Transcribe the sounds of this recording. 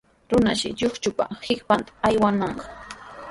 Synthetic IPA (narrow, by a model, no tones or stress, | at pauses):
ɾʊnaʃɪ̰ʎoχt͡ʃʊpa̰hɪkpant̪ḁajwanɑɴɢɑ